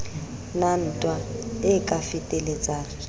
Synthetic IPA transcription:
nan̩ːtʼwaɪkʼafɪtʼelet͡sʼaːŋ̩

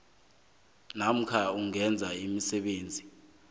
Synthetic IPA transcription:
nam̩kʰauŋɛnd͡zʱaimisɛɓeːnd͡zʱi

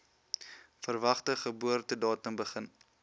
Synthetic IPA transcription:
fərvɐχtəχəbuərtədɑːtəmbəχən

